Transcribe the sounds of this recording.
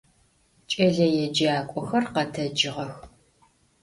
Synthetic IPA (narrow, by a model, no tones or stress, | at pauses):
t͡ʃʼɐɮɐjɛd͡ʒaːkʷʼɔxɐrqɐtʰɐd͡ʒɪʁɐx